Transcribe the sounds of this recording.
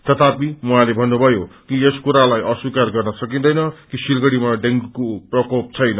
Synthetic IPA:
t̪ʌt̪ʰapimuɦãlebʱʌnːubʱʌjokieskuɾalajʔʌswikarɡʌrnʌsʌkĩnd̪ʌjnʌkisilɡʌɽimaɖeŋɡkoprʌkop̚t͡sʰʌjnʌ

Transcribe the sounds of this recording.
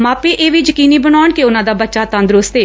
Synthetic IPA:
maːpiːʔeːʋiːd͡ʒəkiːniːbənaːnkiʊnãːd̪aːbətːʃaːt̪ə̃nd̪ɾʊst̪eː

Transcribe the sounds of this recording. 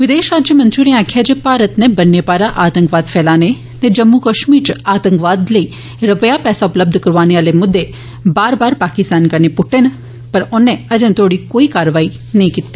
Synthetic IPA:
ʋɪd̪eːʃɾaːd͡ʒjəmɐ̃nt͡ʃʊɾiãːkʰjad͡ʒepaːɾət̪nebɐnːepaːɾaʔaːt̪ə̃ŋkʋaːd̪fʰɛːlaːne | t̪ed͡ʒɐmːukɐʃmiːɾt͡ʃaːt̪ə̃ŋkʋaːd̪ləi | ɾɐpəjapɛːsaʊpləb̚d̪ʱkɐɾʋaːneaːlemʊd̪ːe | baːɾbaːɾpaːkɪst̪aːnkɐɾnepʊʈʰːen | pɐɾʊnːẽɐd͡ʒə̃nt̪ʰoːɽikoːikaːɾʋaːi | nɐĩkɪt̪ːeː

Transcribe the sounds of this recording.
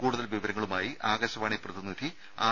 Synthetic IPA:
kuːɽuðɐlʋiʋɐɾɐŋːɐɭumaːjiʔaːɡɐɕɐʋaːɳiprɐðinːid̪ʱi | a̰ː

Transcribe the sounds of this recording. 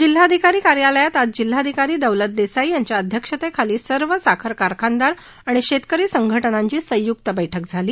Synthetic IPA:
d͡ʑil̤ɦaəd̪ʱikaɾiːkaɾjaləjat̪ad͡z̚d͡ʑil̤ːaəd̪ʱikaɾiːd̪əʋlət̪̚d̪esaijaɲt͡ɕjaəd̪ʱjəkʂət̪ekʰaliːsəɾʋəsakʰəɾkaɾkʰand̪aɾ | aɽ̃iɕet̪kəɾiːsəŋɡʱəʈnaɲt͡ɕiːsə̃juk̚t̪əbəjʈʰəkd͡zʱaliː

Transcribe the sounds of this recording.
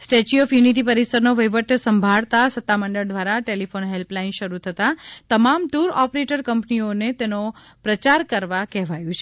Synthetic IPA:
sʈet͡ʃiɔfjuniʈ̬ipəɾisəɾnoʋəjʋəʈʰəsəmbʱaɭt̪asət̪ːaməɳɖəɭd̪ʋaɾaʈelifonɦelplainʃəɾut̪ʰət̪at̪əmamʈuɾɔpɾeʈəɾkəmpnionet̪eno | pɾət͡ʃaɾkəɾʋakɛɦʋajũt͡ʃʰe

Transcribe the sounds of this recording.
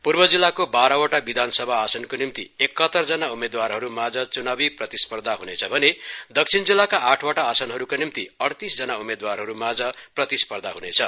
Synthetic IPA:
purbʌd͡zilːakobaɾʌwaʈabid̪ʱansʌbʱaːsʌnkonimt̪ḭekːʌt̪ːʌrd͡zʌnaumed̪warɦʌɾumad͡zʌt͡sunabiprʌt̪ispʌrd̪ʱaɦunet͡sʰʌbʱʌned̪ʌk̚t͡sʰind͡zilːakaaʈʰwaʈaːsʌnɦʌɾukanimt̪ḭʌɽt̪isd͡zʌnaumed̪warɦʌɾumad͡zʌprʌt̪ispʌrd̪ʱaɦunet͡sʰʌ

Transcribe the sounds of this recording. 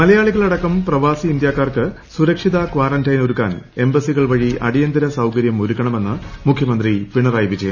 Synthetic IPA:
mɐlɐjaːɭiɣɐɭɐɽɐkːɐmprɐʋaːsiːnd̪jaːkːaːrkɨ | suɾɐkʂiðɐkʋaːrɐndɐjnoɾukːa̰ːne̞mbɐsiɣɐɭʋɐɻiʔɐ̰ɽijɐnd̪ɐɾɐsɐwkɐɾjɐmoɾukːɐɳɐme̞nːɨmukʰjɐmɐnd̪ripiɳːɐraːjʋid͡ʑːeː

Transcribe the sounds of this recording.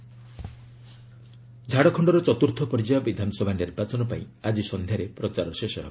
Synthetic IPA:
d͡ʒʱaɽɔkʰɔɳɖɔɾɔt͡ʃɔt̪uɾt̪ʰɔpɔɾid͡ʒajɔbid̪ʱanɔsɔbʱaniɾbat͡ʃɔnɔpaĩad͡ʒisɔnd̪ʱjaɾepɾɔt͡ʃaɾɔsesɔɦebo

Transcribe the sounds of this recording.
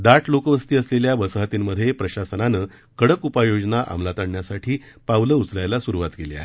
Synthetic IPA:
d̪aʈʰlokəʋəst̪iːəsleljaʋəsəɦat̪imməd̪ʱːjepɾəɕasənanəː | kəɽəkupajod͡ʑnaʔa̰mlat̪aɳɳjasaʈʰiː | pawləut͡sljajlasuɾuʋat̪kelea̰

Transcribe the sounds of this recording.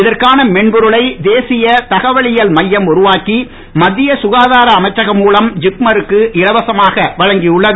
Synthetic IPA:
ɪðɐrkaːnɐmɛɳbʊɾɯɭɐɪd̪eːsɪjɐt̪ɐɣɐʋɐɭɪjɐlmɐjːɐmʊɾɯʋaːki | mɐd̪ːɪjɐsʊɣaːðaːɾɐːmɐɪt͡ʃːɐɣɐmːuːlɐmd͡ʒɪkmɐɾɯkːɯʔɪɾɐʋɐsɐmaːɣɐʋɐɻɐŋɡiʊɭːɐðɯ

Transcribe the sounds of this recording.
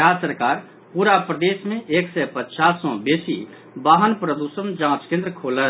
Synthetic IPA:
ɾasəɾkaːɾ | puɾapɾəd̪esmẽʔeksɛpətːt͡ʃasɔ̃besi | baːɦənpɾəd̪usəmd͡ʒãt͡ʃkẽnd̪ɾəkʰolət̪

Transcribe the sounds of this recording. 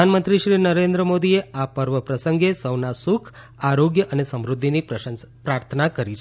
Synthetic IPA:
anmənt̪ɾiʃɾinəɾend̪ɾəmod̪ieapəɾʋəpɾəsəŋɡesəwnasukʰ | aɾoɡjəʔənesəmɾud̪ʱːinipɾəənspɾaɾt̪ʰənakəɾit͡ʃʰ

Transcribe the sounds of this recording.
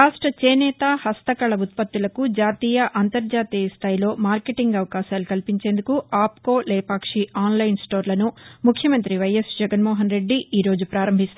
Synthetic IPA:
ɾaːʂʈɾɐt͡ʃeːnɛːt̪aːhɐst̪ɐkɐɭɐut̪̚pɐt̪ːilɐkud͡ʒaːt̪iːjɐʔɐnt̪ɐɾd͡ʒaːt̪iːjɐst̪ʰaːjilo̞ːmaːɾkeʈiŋɡɐʋɐkaːʃaːlukɐlpiɲt͡ʃe̞ːnd̪ukuʔaːpko̞ːleːpaːkʂiaːnlɐjnsʈo̞ːɾlɐnumukʰjɐmɐnt̪ɾiʋɐjesd͡ʒɛɡɐnmɔːɦɐnɾe̞ɖːiiːɾo̞ːd͡ʒupɾaːɾɐmbʱist̪

